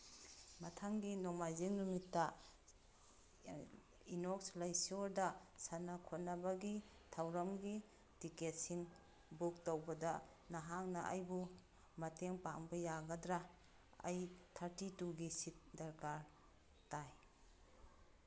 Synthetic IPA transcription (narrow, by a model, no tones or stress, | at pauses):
mɐtʰaŋɡinoŋmajziŋnumitːɐ | inokslajsoɾdɐsanakʰot̚nɐbɐɡi | tʰawɾɐmɡi | tiket̚siŋ | buk̚towbɐdɐ | nɐɦaŋnɐʔa̰jbu | mɐteŋpaŋbɐjaɡɐdɾa | a̰jtʰaɾtituɡisit̚dɐɾkaɾ | taj